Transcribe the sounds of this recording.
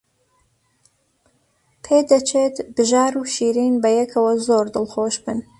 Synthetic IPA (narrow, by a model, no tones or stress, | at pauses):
pʰed̪ɐt͡ʃʰet̪bɨʒaːɾuʃiːɾinbɐjɛkʰɐwɐzoːɾd̪ɨlxoːʃbɨn